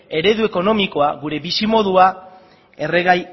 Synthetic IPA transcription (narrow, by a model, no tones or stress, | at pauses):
e̞ɾe̞ðue̞ko̞nomiko̞aɣuɾe̞βisimo̞ðua | e̞re̞ɣaj